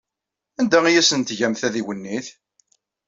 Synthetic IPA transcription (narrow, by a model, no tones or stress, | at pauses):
ænd̪æijæsənt̪ʝæmθæðiwənːiθ